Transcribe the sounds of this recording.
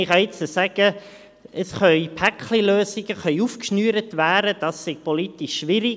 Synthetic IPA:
ɪχɑɪt͡səsæɡ̥ə | əsχœʏpʰækχliløːsɪɡəχœʏufkʃnyːɾətʋæːɾəd̥ɑsːɪɡ̥̚pɔlitɪʃːʋɪɾɪ

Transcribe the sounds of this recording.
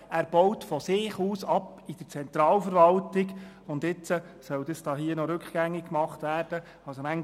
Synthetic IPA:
æːɾb̥ɔwtfɔsɪːχuːsɑp | id̥əɾt͡sɛnt̪ɾɑːlfəɾʋɑltɪɡ | ʊnd̪ɪt͡sə | sœwd̥̪əsd̥ɑːɦiənɔɾʉkχɡ̥æŋːɪkːmɑχtʋæːɾd̥ə | ɑlsomæŋ

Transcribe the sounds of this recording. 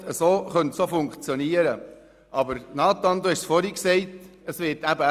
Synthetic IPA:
əsoːχœntsofʊŋkt͡sjoniəɾə | ʔɑbəɾnɑːt̪ɑnd̪uhɛʃsfɔɾiksɛɪtəsʋɪtæbə

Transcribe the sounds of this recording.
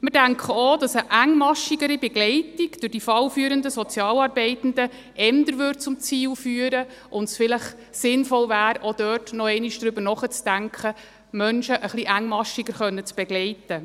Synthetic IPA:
mɪɾdæŋkχəod̥ɑsəʔæŋmɑʃiɡəɾibɛɡlɛɪtiɡ̥d̥ʊɾd̥ifɑlfyːɾəndəsɔt͡sjɑːlɑɾbɛɪtn̩də | ʔɛndəɾʋʏːt̚t͡sʊmt͡siːlfyːəɾə | ʔʊndsfɪləχ | sɪnfɔlvæːɾod̥œːtnɔɛɪniʃd̥ɾʏbəɾnɔχət͡sd̥æŋkχə | mœnʃəʔəχliʔæŋːmɑʃiɡəɾχœnːət͡sb̥ɛɡlɛɪtə

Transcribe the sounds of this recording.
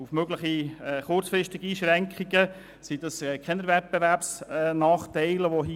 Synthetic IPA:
ufmøɡləχiɛχʊrt͡sfɾɪʃtɪɡ̥iiːʃɾɛŋkχiɡə | sid̥̪ɑsɛkʰɛnəɾvɛt̪̚b̥eværpsnɑːχt̪ɛɪləʋoɦi

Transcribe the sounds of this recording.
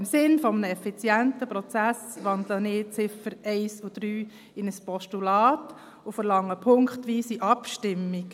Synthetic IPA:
ɪmsɪnfɔmənəɛfit͡sjæntəpɾɔt͡sæsʋɑnd̪lənɪːt͡sɪfəɾɛɪsud̥ɾyː | ɪnəspʰɔʃtulɑːt | ufəɾlɑŋːəpʰʊŋkχtʋiːsiʔɑpʃtɪmːik

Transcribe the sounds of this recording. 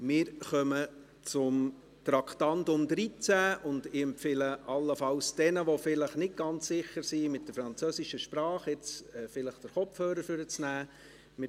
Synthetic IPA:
mɪːɾχœmə | t͡sʊm | tɾɑktɑntʊmdɾit͡sæːʊndɪɛmpfɪləʔɑlːəfɑlsd̥ɛnəʋofɪləχnɪt̚ɡ̥ɑnt͡ssɪχəɾsimɪt̚d̥əɾfɾɑnt͡søːsiʃəʃpɾɑːχɪt͡sɛfɪləχd̥əɾχɔpfhøːɾəɾfʏɾət͡snæː | mɪ

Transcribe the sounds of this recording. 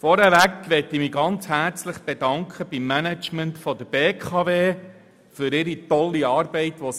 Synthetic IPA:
fɔɾɛʋækʋɛtimiɡɑnt͡shæɾt͡slɪχb̥edɑŋkʰχəb̥imːænæt͡ʃməntfɔd̥əb̥eːkʰɑʋeː | fʏɾɪɾitɔlːiɑːɾbɛɪtʋos

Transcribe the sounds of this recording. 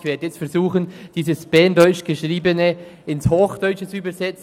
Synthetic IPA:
çvɛːdəjɛt͡stfɛʁzuːχənd̥iːsəsb̥ɛɐndɔʏt͡ʃɡ̥əʃʁiːbənəɪnshoːxd̥œʏt͡ʃət͡suyːbɐzɛt͡s

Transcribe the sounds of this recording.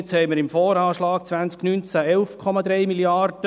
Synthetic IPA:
t͡shɛɪməɾɪmfɔːɾɑːʃlɑːkt͡sʋænt͡sknynt͡sæɛlfkʰɔmɑd̪ɾɛjmiliɑrd̥ə

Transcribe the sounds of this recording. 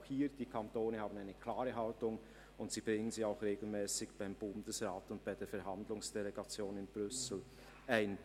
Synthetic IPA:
xhiːd̥iːkʰantoːnəhaːbnaɪnəkʰlaːʁəɦaltʊŋ | ʊntz̥iːb̥ʁɪŋənziːaʊxʁeːɡl̩mɛːsɪçb̥aɪmbʊndəsʁaːtʊnt̚b̥aɪdeːɐfɛɐɦandlʊŋsd̥eleɡat͡sjoːnɪnb̥ʁʏsl̩ | ʔaɪn

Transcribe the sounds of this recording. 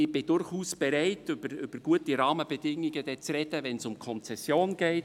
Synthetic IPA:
ɪb̥ɪdʊrχuːsb̥ɛɾɛɪtʏbəɾʏb̥əɾɡ̥uətiɾɑːməbɛd̥ɪŋːiɡəd̥ɛt͡srɛdəvɛnsʊmkʰɔnt͡sɛsjoːnɡ̥ɛɪt

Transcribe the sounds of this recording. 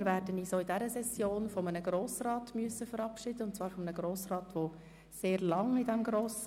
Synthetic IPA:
ɾvæːɾdəniːsoːidɛɾəsɛsjoːnfɔmənəɡɾoːsrɑːtmyəsəfəɾɑpʃɪd̥̪əʊntt͡svɑːɾfɔmənəɡɾoːsrɑːtʋo | seːɾlɑŋidɛmɡɾoːs

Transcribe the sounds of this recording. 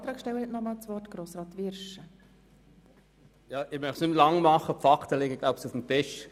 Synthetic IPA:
ɑːt̪ɾɑːkʃtɛwəhɛtnɔmɑːlt͡sʋɔrtɡ̥ɾoːsɾɑːt̪ʋɪɾʃə | jɑːʔɪmœχtsnɪmlɑŋmɑχəfɑktəlɪɡəɡ̥laʊbsufm̩tɪʃ

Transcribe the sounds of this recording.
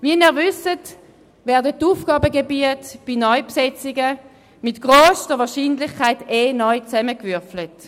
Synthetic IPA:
viɛniːʁvʏsət | vɛːʁdətːuːfɡ̥ɑːbəɡebiətb̥inɔʏpsɛt͡sɪɡə | mɪtɡ̥ʁoːsdəʋɑːɐʃiːnlɪχkʰaɪteːnɔʏt͡sɛməkvʏɐflət

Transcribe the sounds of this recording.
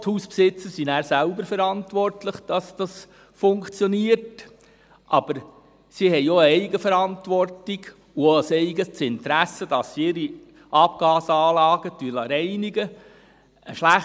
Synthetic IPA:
thuːspsɪt͡səɾsinæːɾsælbəɾfəɾɑntʋɔrtləχd̥ɑsd̥ɑs | fʊŋkt͡sjɔniːəɾt | ʔɑb̥əɾ | sihɛjoəɛɪɡəfəɾɑntʋɔrtiɡ | ʊlsɛɪɡəst͡sɪntɾæsəd̥ɑsɪɾi | ʔɑpɡ̥ɑːsɑːlɑːɡ̥ətylɑɾɛɪniɡə | əʃlæχ

